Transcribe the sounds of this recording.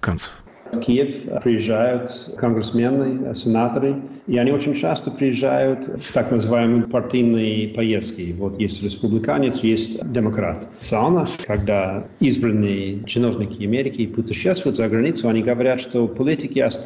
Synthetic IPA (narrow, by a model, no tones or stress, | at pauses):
kant̪sə̥f | fkʲijɪfpɾʲɪjɪʒːajʊt̪kənɡɾʲɪsmʲenːɨjsʲɪnat̪əɾɨ | iɐnʲiot͡ʃɪnʲt͡ʃast̪əpɾʲɪjɪʒːa̰jʊt̪t̪aknəzɨvajɪmɨjpɐrtʲijnɨjpɐjest̪kʲɪvot̪jesʲtʲɾʲɪspublʲɪkanʲɪt̪sjesʲtʲdʲɪmɐkɾa̰t̪ | sɨalˠnəkɐɡ̚d̪a | izbɾənːɨjət͡ʃɪno̞vnʲɪkʲʰɪɐmʲeɾʲɪkʲɪpʊt̪ʲɪʃːɛst̪vʊjʊt̪zəɡɾɐnʲit̪sʊɐnʲiɡəvɐɾʲat̪ʂt̪opɐlʲitʲɪkʲɪɐst̪